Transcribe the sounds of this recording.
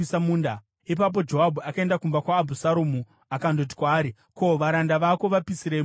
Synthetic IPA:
isamuːnda | ipap̬o̞d͡ʒo̞ɦabʱuakae̞ndakumbakwaːbʱusaɾumu | akandot̬i̥kwaːɾi | ko̞ʋaɾandaʋako̞ʋapisiɾe

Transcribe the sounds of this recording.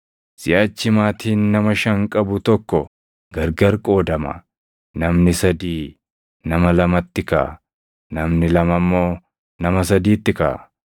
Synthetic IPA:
sɪjaːt͡ʃːɪmaːt̪iːnːɐmɐʃɐŋkʼɐbʊt̪ɔkːɔ | ɡɐɾɡɐɾkʼo̞ːd̪ɐmɐ̰ | nɐmnɪsɐd̪iː | nɐmɐlɐmɐt̪ːɪka̰ː | nɐmnɪlɐmɐmːo̞ː | nɐmɐs̬ɐd̪iːt̪ːɪka̰ː

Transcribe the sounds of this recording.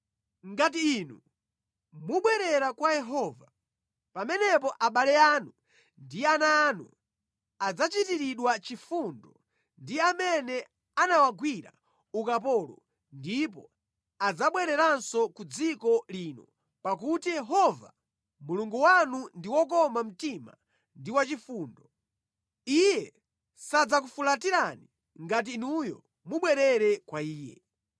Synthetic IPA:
ŋɡatiːnṵ | muɓwɛɾɛɾakwajɛɦɔːva | pamɛnɛp̬ɔʔaɓalɛaːnu | ndianaːnṵ | ad͡zat͡ʃitiɾiɗwat͡ʃifundɔ | ndiamɛnɛ | anawaɡwiɾa̰ | ukap̬ɔlɔ̰ | ndip̬ɔ | ad͡zaɓwɛɾɛɾansɔkud͡zikɔliːnɔ | pakutijɛɦɔva̰ | muluŋɡuwanundiwɔk̬ɔmam̩tima̰ | ndiwat͡ʃifuːndɔ | ijɛ | sad͡zak̬ufulatiɾani | ŋɡat̬iːnujɔ̰ | muɓwɛɾɛɾɛkwaiːjɛ̰

